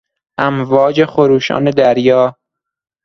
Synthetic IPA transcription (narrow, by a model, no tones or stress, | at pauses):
ʔæmvɒːd͡ʒexoɾuːʃɒ̰ːne̞d̪æɾjɒː